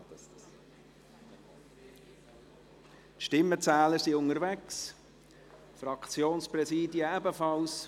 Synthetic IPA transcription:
t̪ʃtɪmːət͡sæːləɾsiʊŋəɾvɛks | frɑkt͡sjoːnsprɛsiːdiəɛbəfɑls

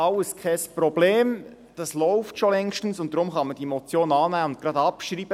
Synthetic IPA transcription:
ɑwəskʰɛspɾɔbleːm | d̥ɑslɔʊftʃolɛŋʃtən̩sʊnt̚d̥ɾʊmχɑməd̥iemot͡sjoːnɑːnæːəʊnt̚kɾɑdɑpʃɾiːb̥ə

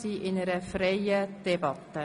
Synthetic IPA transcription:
siːʔɪnəɾəfrejəd̥ɛbɑt̪ːə

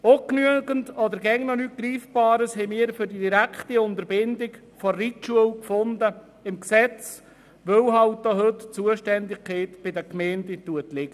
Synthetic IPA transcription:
oknyəɡəntɔd̪əɾɡɛŋnɔnyt̚ɡ̥ɾiːfb̥ɑːɾəshɛɪmiːəɾfʏɾdidiɾækχtiʊnt̪əɾbɪndɪk | fɔrituəlkfond̪ə | ɪmksɛt͡s | ʋœwɦɑwt̚d̥oːɦɵtt͡suəʃtɛndɪɡkʰɛɪtb̥ɪdəkmɛːndətuətlɪɡ̥ə

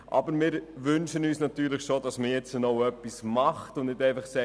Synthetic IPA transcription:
ʔɑ̰bəɾmɪːɾʋʏnʃənyːsnɑtyːɾləχʃodɑsməjɛt͡sənoʊœpːismɑχtʊndnɪdɛɪfɑχsɛ

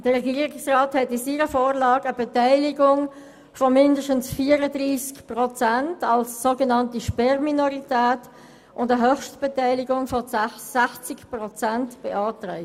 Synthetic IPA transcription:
d̥əʁɛɡiːɾɪksʁaːthɛtɪsiːʁəfoːʁlɑːɡəbɛtaɪlɪɡʊŋ | fɔmɪndəʃtən̩sfiːəɾədʁiːskpʁɔt͡sæntɑlsːoɡənɑntiʃpɛʁminoʁitæːt | ʔʊndəɦœχʃtb̥ɛtaɪlɪɡʊŋfɔsæçt͡sɪkpʁɔt͡sæntb̥eʔɑːtʁa̰ɪ

